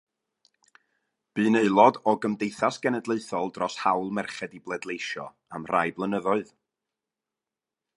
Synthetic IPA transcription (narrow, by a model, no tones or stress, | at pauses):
b̥ɨːneɨlˠɔdɔɡəmdejθasɡ̥ɛnɛdlˠeɨθɔlˠdrɔshawlˠmɛrχɛdiblˠɛdlˠejʃɔ̰ | amr̥ajblˠənəðɔɨð